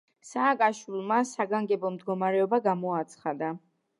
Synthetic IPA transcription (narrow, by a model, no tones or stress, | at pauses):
saːkʼaʃwilˠmasaɡaŋɡɛbɔmd̪ɡɔmaɾɛɔbaɡamɔat̪sʰχad̪a